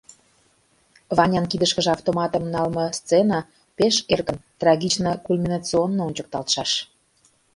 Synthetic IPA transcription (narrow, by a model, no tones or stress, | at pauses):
βɑnʲɑnkid̪əʃkə̆ʒeɑft̪omɑt̪ə̆mnɑlmɤ̆st͡senɑ | peʃerkə̆nt̪rɑɣʲit͡ɕnəkulʲmʲinɑt͡sionːoont͡ɕək̚t̪ɑlt̪ʃɑʃ